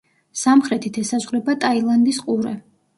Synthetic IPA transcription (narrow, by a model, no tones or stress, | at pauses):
samχɾɛt̪ʰit̪ʰɛsazʁɾɛbat̪ʼailˠand̪isqʼuɾɛ